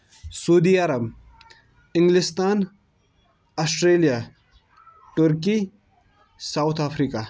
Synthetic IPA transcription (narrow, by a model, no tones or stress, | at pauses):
suːd̪iaːɾɐb | ɪ̃ŋɡlist̪aːn | ɐsʈɾeːlija | ʈuɾki | sawt̪ʰaːfʰɾiːka